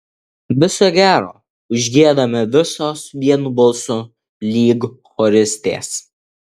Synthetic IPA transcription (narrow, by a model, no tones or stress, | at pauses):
ʋʲɪsoːɡʲæːɾoː | ʊʒʲɡʲiɛd̪ɐmʲɪʋʲɪsoːsʋʲiɛnʊbɐlˠsuː | lʲiːɡ | xɔɾʲɪsʲt̪ʲḛːs